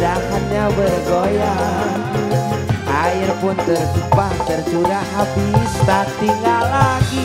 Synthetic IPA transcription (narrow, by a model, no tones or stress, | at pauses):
dakanɲabərɡoja | ʔaɪrpʊnt̪ərsupaht̪ərt͡ʃudaɦapist̪at̪iŋɡalaɡi